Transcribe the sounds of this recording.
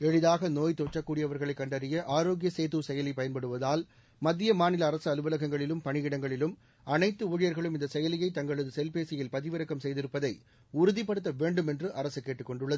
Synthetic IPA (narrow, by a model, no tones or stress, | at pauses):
ɛɻɪðaːɣɐnoːjt̪ot͡ʃːɐkːuːɽɪjɐʋɐɾɣɐɭɐɪkːɐɳɖɐɾɪjɐʔaːɾoːɡɪjɐseːt̪uːsɛjɐlipɐjɐnpɐɽɯʋɐðaːl | mɐd̪ːɪjɐmaːnɪlɐːɾɐsɯɐlɯʋɐlɐɣɐŋɡɐɭɪlɯmpɐɳɪjɪɽɐŋɡɐɭɪlɯm | ɐnɐɪt̪ːɯuɻɪjɐɾɣɐɭɯmɪnd̪ɐsɛjɐlɪjɐɪt̪ɐŋɡɐɭɐðɯsɛlpeːsɪjɪlpɐðɪʋɐɾɐkːɐmsɛjðɪɾɯpːɐðɐɪ | ʊɾʊðɪpːɐɽɯt̪ːɐʋeːɳɖɯmɛndrɯʔɐɾɐsɯkːeːʈːɯkːɔɳɖɯɭːɐðɯ